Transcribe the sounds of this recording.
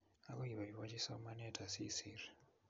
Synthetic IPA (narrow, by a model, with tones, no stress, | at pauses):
a˦ko˦i˨βa˨i˨βa˦t͡ʃi˦sa˦u˦ma˦nɛ˦˨tʰʼa˨si˦siri